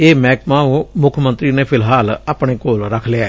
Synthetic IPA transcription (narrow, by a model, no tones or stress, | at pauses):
eːmɛːkmãːũːmʊkʰmə̃nt̪ɾinepʰɪlɦaːlaːpɳ̃eːkoːlɾəkʰleaː